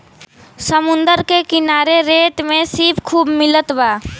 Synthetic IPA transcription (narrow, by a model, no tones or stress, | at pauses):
səmʊ̃nd̪əɾkekɪnaːɾeɾeːʈ̪mẽsipkʰuːbmɪlət̪ʋaː